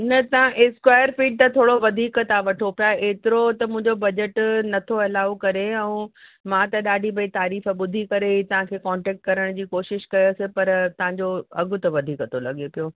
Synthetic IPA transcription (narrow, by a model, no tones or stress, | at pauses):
nɐt̪ɐʋãʔɪskwaːjəɾfiːɖ̚t̪ɐt̪ʰoːɽoʋɐd̪ʱiːkət̪ʰaʋɐʈʰopijaeːt̪ɪɾot̪ɐmʊ̃ɦɪ̃ɲd͡ʑobɐd͡ʑəʈnɐt̪ʰoɐlaːʋokɐɾeɛ̃ũmãt̪ɐɗaːɖʱibʱɐit̪aːɾiːfɓʊd̪ʱikɐɾet̪ɐʋ̤ãkʰeːkɔ̃ːɳʈɛːk̚ʈ̚kɐɾəɽ̃d͡ʑiːkoːʃɪʃkɐjosɪpɐɾt̪ɐʋ̤ãɲd͡ʑoɐɡʱʊ̆t̪ɐʋɐd̪ʱiːkət̪ʰolɐɠepijoː